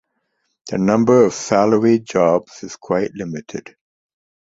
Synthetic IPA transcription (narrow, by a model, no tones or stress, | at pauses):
ðənʌ̃mbəɹəv̥saləɹid͡ʒɒbz̥ɪz̥kʰw̥aɪʔlɪmɪtʰɪ̰d̥